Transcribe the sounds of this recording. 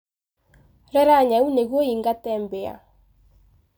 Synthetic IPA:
ɾɛɾaɲauneɣwoiŋɡatɛmbea̰

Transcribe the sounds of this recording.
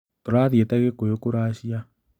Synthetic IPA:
toɾaðietaɣekojokoɾaːɕja

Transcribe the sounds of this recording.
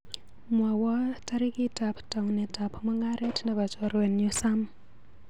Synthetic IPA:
mwawataɾikitaptaunetapʰmoŋɡaɾetʰnaβat͡ʃɔɾwenjusam

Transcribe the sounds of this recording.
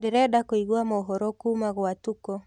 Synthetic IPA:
dɛɾɛdakoiɣuamɔɦɔɾɔkumaɣoatukɔ

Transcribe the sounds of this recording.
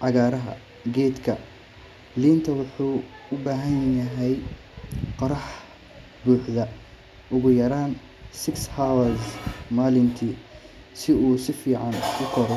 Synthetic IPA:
ʕɑɣaːɾɐɦɐ̰ | ɡɛːd̪kʰɐ̰ | liːnt̪ʰɐwʊħuː | ʊbaːɦɐnjɐɦɛj | qɑɾɑħ | buːħðɐ | ʔʊɣʊjɐɾaːn | sɪkshawɐsmaːlɪnt̪ʰiː | sɪuːsɪfiːʕɑnkʰʊkʰɔɾɛ

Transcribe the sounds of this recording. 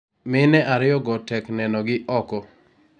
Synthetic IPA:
mɪnɛʔaɾɪjɔɡɔtɛknɛnɔɡɪʔɔkɔ

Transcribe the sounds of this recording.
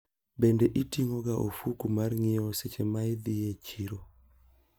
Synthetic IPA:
bendeʔitiŋoɡaʔofukumarŋɪɔset͡ʃemaɪd̪ɪjet͡ʃiɾo

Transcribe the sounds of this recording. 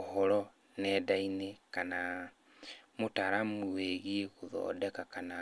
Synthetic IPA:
hɔɾɔ | nɛdainekana | motaɾamuweɣieɣoðɔ̰ːdɛkakana

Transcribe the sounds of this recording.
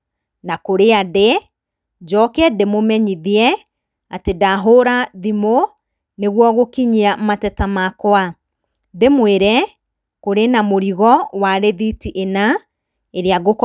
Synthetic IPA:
nakoɾeade | d͡ʒɔkɛdemomɛɲiðiɛ | atedaɦoɾaðimo | neɣwɔɣokiɲiamatɛtamakoa | demweɾɛ | koɾenamoɾiɣɔwaɾeðitiʔena | eɾeaɣok

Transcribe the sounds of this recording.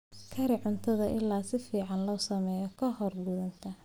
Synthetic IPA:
kʰɐɾɪʕʊnt̪ʰɐðɐʔɪlːaːsɪfiːʕɑnlɔːsɐmɛːjɔkʰɐhɔrɡʊðɐnt̪ʰɐ

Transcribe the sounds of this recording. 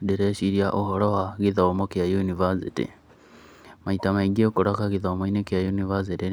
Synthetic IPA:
diɾeʃiɾjaʔoɦoɾohaɣiðaomokjajunivasitḭ | maitamaiɡekuɾakaɣiðaomoinekjajunivas̬iti

